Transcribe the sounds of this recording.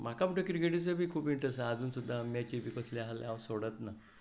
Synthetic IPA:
m̤akamuʈəkiɾiɡeʈit͡səbʱiːkʰuːpiɳʈɾesːd͡zuːnsud̪ʱːamjat͡ɕiʋikəslealaʋsoɽət̪na

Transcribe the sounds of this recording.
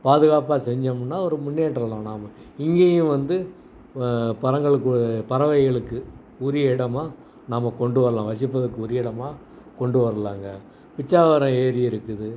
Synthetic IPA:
paːðɯɣaːpaːsɛɲd͡ʒɐmɯnːaːɔɾɯmʊnːeːʈːɾɐlãːnaːmɐ | ɪŋɡeːjɯ̃ʋɐnd̪ɯ | pɐɾɐŋɡɐɭɯkːɯpɐɾɐʋɐɪɣɐɭɯkːɯ | ʊɾɪɛɽɐmaː | naːmːɐkɔɳɖɯʋɐɾɐlãːʋɐsɪpːɐðɐkːɯʊɾɪjɛɽɐmaː | kɔɳɖɯʋɐɾɐlaːŋɡɐ | pɪt͡ʃːaːʋɐɾɐ̃eːɾɪɪɾɯkːɯðɯ

